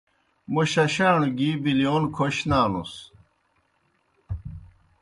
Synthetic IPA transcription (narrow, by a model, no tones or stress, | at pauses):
muɕɐɕaːɳuɡiːbilijoːnkʰoɕnaːnṵs